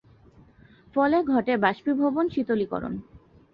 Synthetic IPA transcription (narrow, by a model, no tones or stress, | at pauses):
fɔleɡʱɔʈebaʃpibʱobonʃit̪olikɔ̰ɾo̰n